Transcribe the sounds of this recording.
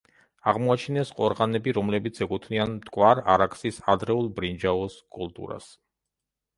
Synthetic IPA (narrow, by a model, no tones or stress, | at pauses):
aʁmɔat͡ʃʰinɛsqʼɔɾʁanɛbiɾɔmlɛbit̪sʰɛkʼut̪ʰnianmt̪ʼkʼwaɾa̰ɾakʰʼsisad̪ɾɛulˠbɾind͡ʒaɔskʼulˠt̪ʼṵɾa̰s